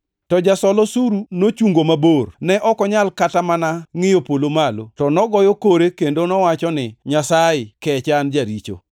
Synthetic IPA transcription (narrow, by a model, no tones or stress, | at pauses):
tɔd͡ʒasɔlɔsuɾunot͡ʃuŋɡomabornɛʔɔkɔɲalkatamanaŋɪjopolomalotɔnɔɡɔjokoɾekendonɔwat͡ʃɔnɪɲasaɪkɛt͡ʃand͡ʒaɾit͡ʃo̰